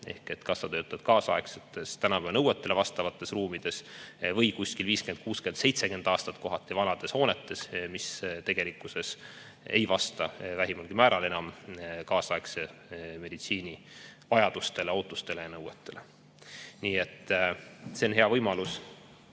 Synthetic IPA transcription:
e̞̰hke̞t̪kɑsːɑt̪øːt̪ːˑɑd̪̥kɑːsɑekset̪ːˑe̞st̪ænɑpæːvnɤwet̪ːe̞levɑst̪ɑvɑt̪ˑːe̞sruːmid̪̥e̞svɤjkuskilviːskend̪̥̚kuːskend̪̥se̞jt̪se̞ke̞nd̪ɑːst̪ɑt̪ko̞ɦɑt̪ːˑivɑnɑd̪̥e̞sho̞ːne̞t̪ːˑe̞smist̪e̞ɡ̥e̞likːˑuse̞s | ḛjvɑst̪ɑvæɦimɑlɡ̥imæːɾɑle̞nɑmkɑːsɑekseme̞d̪it̪siːnʲi | vɑjɑd̪̥ust̪e̞le̞o̞ːt̪ːˑust̪e̞le̞jɑnɤwet̪ːˑe̞le̞ | niːe̞t̪ːˑ | seonɦe̞ɑvɤjmɑlus

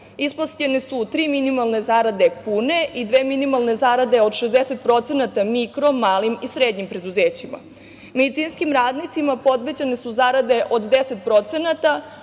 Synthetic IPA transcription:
isposcʎenesut̪ɾiːminimalˠne̞zaːɾad̪epune̞ʔid̪ʋeːminimalˠne̞zaːɾad̪e̞o̞d̪ʃezd̪ese̞t̪̚pɾo̞t̪senat̪amikɾo̞mːaːlimisɾeːd̪ɲimpɾe̞d̪uzeːt͡ɕima̰ | med̪it̪siːnskimɾaːd̪nit̪simapo̞d̪ʋe̞d͡ʑenesuzaɾad̪e̞ʔo̞d̪d̪ese̞t̪̚pɾo̞t̪se̞nat̪a

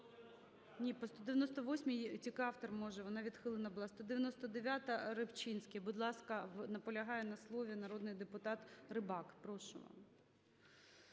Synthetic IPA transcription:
nʲipɔst̪ɔd̪ɪʋʲjɐnɔst̪ɔʋɔsʲmʲɪjtʲikɑwt̪ɔrmɔʒɛʋɔnɑʋʲid̪xɪlˠɪnɐbʊlˠɑst̪ɔd̪ɪʋʲjɐnɔst̪ɔd̪eʋʲjat̪ɐɾɪpt͡ʃinʲsʲkʲebʊd̪lˠɑskɐʋnɐpɔlʲɐɦɑjɛnɐslˠɔʋʲinɐɾɔd̪nɪjd̪epʊt̪ɑt̪rɪbɑkpɾɔʃʊʋɑ̰m

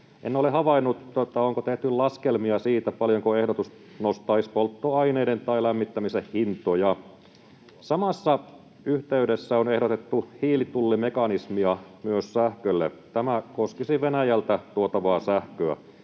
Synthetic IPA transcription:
ʔḛnːolehɑʋɑinːut̪ːot̪ːɑoŋkot̪eht̪yllɑskelmiɑsiːt̪æpɑljoŋkoehdot̪us | nost̪ˑɑispolt̪ːoɑineident̪ɑilæmːit̪ːæmisehhint̪ˑojɑ | sɑmɑsːɑ | yht̪eydesːæonehdot̪et̪ːuhiːlit̪ulːimekɑnismiɑmyøssæhkølːet̪æmækoskisiʋenæjælt̪æt̪uot̪ɑʋɑːsæhkøæ̰

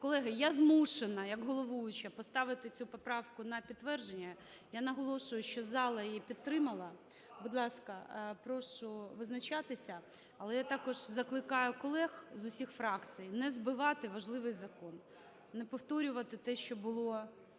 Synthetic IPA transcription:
kɔlˠɛɦɪjazmuʃenɐjɐɡɦɔlˠɔʋujʊt͡ʃɐpɔst̪ɑʋɪt̪ɪt͡sʲupɔpɾɑʋkʊnɐpʲid̪tːʋɛrʒenʲːɐ | janɐɦɔlˠɔʃʊjʊʃt͡ʃɔzɑlˠɐjjipʲid̪̚t̪ɾɪmɐlˠɐ | bud̪lˠɑskɐpɾɔʃʊʋɪznɐt͡ʃɑt̪ɪsʲɐ | ɐlˠɛjat̪ɑkɔʒzɐklˠɪkɑjʊkɔlˠɛxzʊsʲixfɾɑkt͡sʲijnɛzbɪʋɑt̪ɪʋɐʒlˠɪʋɪjzɐkɔn | nɛpɔwt̪ɔɾʲʊʋɐt̪ɪt̪ɛʃt͡ʃɔbʊlˠɔ

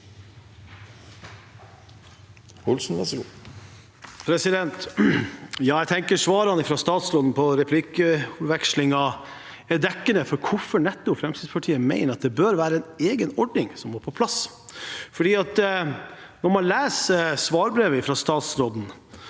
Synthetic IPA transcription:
hʊlsn̩ʋɛsɡṵ | pʰɾɛsɪd̪ɛnt̪ | jɑːɛɪt̪ʰɛŋkəʂʋɑːɾəhɑnɪfɾɑst̪ɑːt̪sɾoːd̪n̩pʰɔɾɛpʰlɪkəʋɛkʂlɪŋɑ | ɛd̪ɛkːənəfɔɾkʰʊfɔɳɛt̪ːʊfɾɛmsɪːd̪spʰɑʈʰiːəmæɪnəɾɑt̪̚d̪ɛbøɾʋæːɾəɛneːɡənɔɖnɪŋsɔmoːɾpʰɔpʰlɑs | fɔɖiːɑt̪ | nɔɾmɑnlæːsəsʋɑːɾbɾeːʋəɪfɾɑst̪ɑːt̪sɾoːd̪n̩

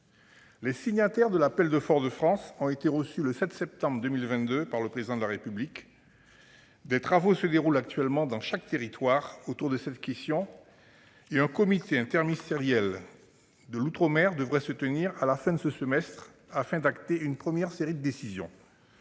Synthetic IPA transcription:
lɛsiɲat̪ɛʁd̪əlapɛld̪əfɔʁd̪əfχɑ̃sɔ̃et̪eʁəsyləsɛt̪sɛp̚t̪ɑ̃bʁəd̪ømilvɛ̃t̪d̪øpaʁləpχezid̪ɑ̃d̪əlaʁepyblik | d̪et̪χavosəd̪eʁulakt̪ɥɛlmɑ̃d̪ɑ̃ʃak̚t̪eʁit̪waʁot̪uʁd̪əsɛt̪kʲɛst̪jɔ̃ | eɛ̃kɔmit̪eɛ̃t̪ɛʁmist̪eʁjɛl | d̪əlut̪χɔmɛʁd̪əvʁɛsət̪əniʁalafɛ̃d̪əsəsəmɛst̪χ | afɛ̃d̪akt̪eynpχəmjɛʁseʁid̪əd̪esizjɔ̰̃

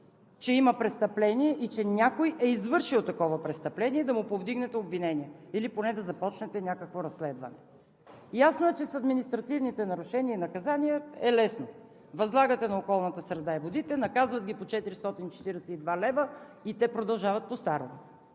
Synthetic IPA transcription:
t͡ʃɛimɐpɾɛst̪ɐplɛniɛʔit͡ʃɛnʲakojʔɛizvɤɾʃilˠt̪ɐkɔvɐpɾɛst̪ɐplɛniɛd̪ɐmupovd̪iɡnɛt̪ɛobvinɛniɛiliponɛd̪ɐzɐpɔt͡ʃnɛt̪ɛnʲakəkvoɾɐsːlɛd̪vɐ̰nɛ | jasnoɛt͡ʃɛsɐd̪minist̪ɾɐt̪ivnit̪ɛnɐɾʊʃɛniəinɐkɐzaniɛɛlɛsno | vɐzlˠaɡət̪ɛnɐokɔlˠnət̪əsɾɛd̪aivod̪it̪ɛnɐkazvɐt̪̚ɡʲipot͡ʃɛt̪iɾist̪ɔt̪init͡ʃɛ̥t̪iɾɛsɛid̪valɛvə | it̪ɛpɾod̪ɐlˠʒavɐt̪̚post̪aɾom

